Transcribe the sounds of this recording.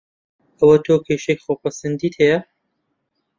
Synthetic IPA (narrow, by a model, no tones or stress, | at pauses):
ɐwɐt̪ʰoːkʲʰeʃekxopʰɐsɐnd̪iːt̪hejɐ